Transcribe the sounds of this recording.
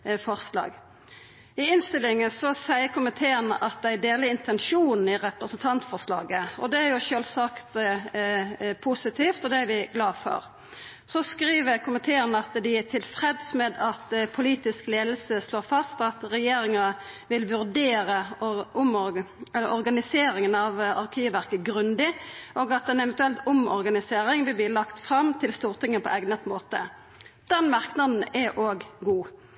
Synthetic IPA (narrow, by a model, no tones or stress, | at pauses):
fɔʁslɑ̰ːɡ | ɪɪnst̪ɪlːɪŋəsɔsæɪəkʰʊmət̪ʰeːənə̰ʔɑt̪̚d̪æɪd̪eːlɪɪnt̪ʰɛnʃuːnn̩ɪɾɛpɾəsn̩t̪ʰɑnt̪fɔʁslɑ̰ːɡəɔ̰d̪ɛæɾjʊʃøːlsɑkt̪ | pʰusɪt̪ʰiːft̪ɔd̪ɛæɾʋɪɡlɑːfɔ̰ɾ | sɔskɾiːʋəkʰʊmənt̪ʰeːəɾnəɑt̪d̪ɪt̪ʰɪlfɾɛd̪smɛd̪ɑt̪pʰʊliːt̪ɪskleːd̪l̩səsloːʁfɑst̪ɑt̪ʁɛjeːɾɪŋɑ | ʋɪlʋʉʁd̪eːɾəʊmɛəɔɾɡɑnɪseːɾɪŋənɑʋɑ̰ʁkʰiːʋʋæʁkəɡʁʉnd̪ɪʔoːɡɑt̪ɛnɛʋɛnt̪ʉɛlt̪ʊmɔ̰ʁɡɑnɪseːɾɪŋʋɪlb̪liːlɑkt̪fʁɑmt̪ʰɪlst̪uːʁt̪ʰɪŋːəpʰɔ̰ʔɛɡnət̪moːt̪ə | d̪̥ɛnmɑʁknɑd̪n̩ɛʔoːɡɡuː